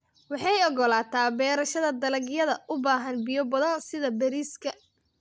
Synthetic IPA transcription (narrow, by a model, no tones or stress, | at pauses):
wɑħɑjɔɡɔlaːt̪ʰaːbɛːɾɐʃɐðɐd̪ɐlɐɡjɐðɐʔʊbaːɦɐnbɪjɔbɐðɐnsɪðɐbɛɾiːskʰɐ